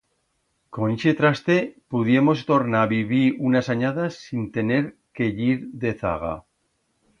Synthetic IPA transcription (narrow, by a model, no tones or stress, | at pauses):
konʃet̪ɾast̪e̞puðjemo̞s̬t̪o̞ɾnaβiβiunasaɲaðasːint̪e̞ne̞ɾke̞ʎiɾðe̞θa̰ɣa̰